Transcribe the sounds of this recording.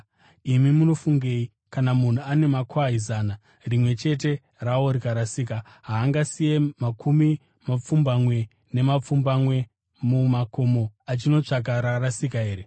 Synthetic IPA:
imimuno̞fuŋɡe̞ːi | kanamun̤uane̞makʰwaɦizaːna | rimwe̞t͡ʃe̞t̬e̞ | raoɾikaɾasiːk̬a | ɦaːŋɡasije̞makʰumi | map͡fumbamwe̞ | ne̞map͡fumbamwe̞ | mumako̞mo̞at͡ʃino̞t͡ʂak̬aɾarasikaɦe̞ːɾe

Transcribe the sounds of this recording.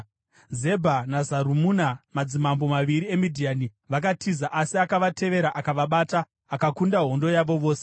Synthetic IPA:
ze̞bʱanazaɾumuːnamad͡zimambo̞maʋiɾie̞midʱiaːni | ʋak̬atʰizaʔasiakaʋatʰe̞ʋe̞ɾaʔakaʋaɓaːtaː | kakundaɦo̞ndo̞jaʋo̞ʋo̞ːse

